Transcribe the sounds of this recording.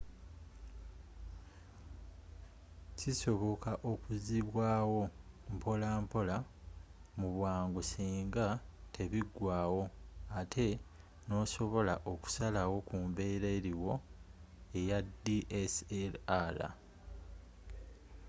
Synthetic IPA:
ciso̞βo̞kaʔo̞kuziβwaːwo̞mpo̞laːmpo̞la | muβwaːŋɡusiːŋɡatʰe̞βiɡwaːwo̞atʰe̞ | no̞ːso̞βo̞laʔo̞ku̥salawo̞kumbe̞ːɾeɾiwo̞ | e̞jadiʔeselala̰

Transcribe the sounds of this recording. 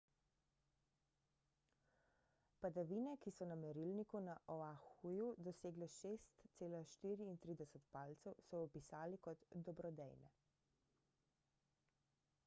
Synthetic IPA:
pad̪aʋiːnɛkisɔnamɛɾilnikunaʔɔaxujud̪ɔseːɡlɛʃeːst̪seːlaʃt̪iːɾiːnt̪ɾiːd̪ɛsɛt̪paːlt̪sɛwsɔɔpisaːlikɔt̪d̪ɔbɾɔd̪ɛ̰jnɛ̰

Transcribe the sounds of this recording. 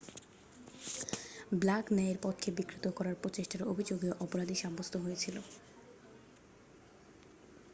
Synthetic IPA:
blaknɛeɾpɔt̪kʰebikɾit̪okɔɾaɾpɾot͡ɕeʃʈaɾobʱid͡ʑoɡioʔɔpoɾad̪ʱiʃabost̪ʰoɦojet͡ɕʰilo

